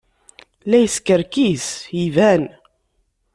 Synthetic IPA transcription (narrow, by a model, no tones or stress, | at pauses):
læjəskəɾkisjivæn